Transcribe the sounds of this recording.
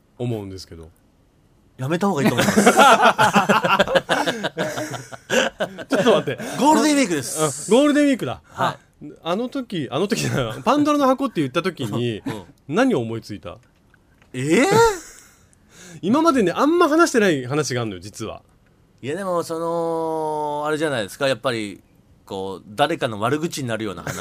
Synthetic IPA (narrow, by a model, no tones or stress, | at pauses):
omo̞ɯ̃nd̪e̞sɨ̥ke̞d̪o̞̰ | jame̞t̪ahoɡaiom | t͡ɕo̞t̪ːomat̪ːe̞ɡoːɾɯd̪ẽiːkɯ̟d̪esɨ̥ãɡo̞ːɾɯ̟d̪ẽ̞iːkɯ̟d̪a̰ha | ano̞t̪o̞kʲiʔano̞t̪okʲinapãnd̪oɾonohako̞t̪ːejɯ̟t̪ːat̪o̞kʲiɲ̟i | naɲ̟io̞ːmo̞it͡sɨit̪a̰ | e | imamad̪e̞ne̞ʔãmːahɦanaɕi̥t̪e̞naiɦanaɕiɡaːnojo̞d͡ʑit͡sɨβa̰ | ijad̪e̞mo̞so̞no | aɾe̞ʑanaid̪e̞sɨ̥kajapːaɾʲḭ | ko̞ːd̪aɾe̞kano̞βaɾɯ̟ɡɯ̟t͡ɕiɲ̟inaɾɯ̟jo̞ːna̰ha̰na